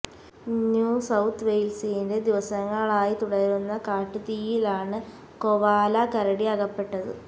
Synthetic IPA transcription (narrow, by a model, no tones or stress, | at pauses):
njuːsɐwt̪ʰːʋejlsijinde̞d̪iʋɐsɐŋːɐɭaːjit̪uɽɐɾunːɐkaːʈːɨt̪iːjilaːɳɨ | koʋaːlɐkɐɾɐɽiɐɣɐpːe̞ʈːɐðɨ̰